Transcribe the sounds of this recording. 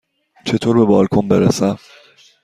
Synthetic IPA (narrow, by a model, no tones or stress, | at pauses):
t͡ʃʰet̪ʰoɾbebɒːlkʰonbeɾḛsæ